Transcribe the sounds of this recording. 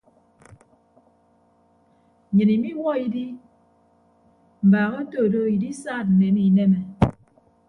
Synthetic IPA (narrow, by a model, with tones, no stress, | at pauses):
ɲɨ˨ni˨mi˦wɔ˦i˨di˦ | m̩˨ba˨ɣo˦to˦˨do˦i˨di˦saː˦˨t̚n̩˨ne˨˦mi˦˨nɛ˦mɛ˨